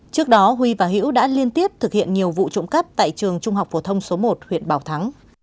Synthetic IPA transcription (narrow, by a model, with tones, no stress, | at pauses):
t͡ɕɨ˦˥ək̚ɗɔ˨˦ɦwi˧vaː˨˩ɦḭ˧˥wɗa̰ː˧˥li˧ənt̪i˦˥əp̚t̪ʰɨ˨˩k̚hḭ˧˨ənɲi˨˩əwvṵ˧˨t͡ɕʊ̰˧˥ŋ͡mkə˦˥p̚t̪a̰ː˧˨jt͡ɕɨ˨˩əŋt͡ɕʊ˧ŋ͡mhɦa˨˩wk͡p̚fo˧˩t̪ʰə˧wŋ͡mso˨˦mo˨˩t̚hwḭ˧˨ənɓaː˨˩wt̪ʰa˨˦ŋ